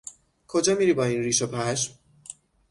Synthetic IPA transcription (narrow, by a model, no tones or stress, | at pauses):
kʰod͡ʒɒːmiːɾiːbɒːiːnɾiːʃopʰæʃm